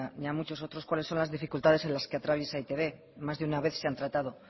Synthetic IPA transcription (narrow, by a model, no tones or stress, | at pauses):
aniamut͡ʃo̞so̞t̪ɾokwale̞sːo̞nlazðifikult̪að̞e̞se̞nlaske̞at̪ɾaβ̞je̞sait̪e̞β̞e̞ | mazðeunaβe̞θse̞ant̪ɾat̪að̞o̞